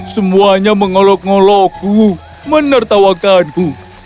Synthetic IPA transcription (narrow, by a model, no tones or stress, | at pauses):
səmuaɲaməŋɔlɔkŋɔlɔɡ̥uu | mənərt̪awak̚t̪anɡu